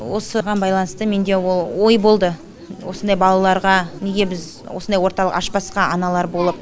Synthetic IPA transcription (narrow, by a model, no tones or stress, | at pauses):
wo̞səʁɑnbɑjlˠɑnəst̪əme̞nd̪e̞wolˠwo̞jbo̞lˠd̪ə | wo̞sənd̪ɑjbɑlˠɑlˠɑɾʁɑne̞ɡʲe̞bɪz | wo̰sənd̪ɑjwo̞ɾt̪ɑlˠəqɑʃpɑsqɑɑnɑlˠɑɾbo̞lˠəp̚